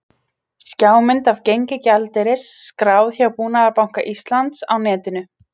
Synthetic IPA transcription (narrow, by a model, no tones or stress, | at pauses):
scaːwmɪnt̪avcejɲcɪcalt̪ɛɾɪsːkɾaːwθjawpuːnaðaɾpawŋ̥kaʔist̪lant̪sawnɛːt̪ɪnʏ